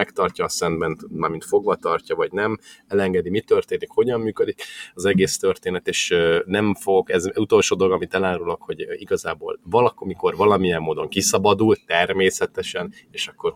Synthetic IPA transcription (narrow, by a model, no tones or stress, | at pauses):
ɛkt̪ɒrcɒːsɛnd̪bɛnt̪maːrmint̪fo̞ɡʋɒt̪ɒrcɒvɒɟnɛmɛlɛŋɡɛd̪imit̪ørt̪eːnikho̞ɟɒmːyːkød̪ikɒzɛɡeːst̪ø̞rt̪eːnɛt̪eːʃnɛɱfoɡɛzut̪o̞lʃoːd̪oloɡɒmit̪ɛlaːɾulokho̞ɟiɡɒzaːbo̰ːlvɒlɒkmiko̞rvɒlɒmijɛmːoːd̪o̞ŋkisɒbɒd̪ult̪ɛrmeːsɛt̪ɛʃɛneːʃɒkːo̞r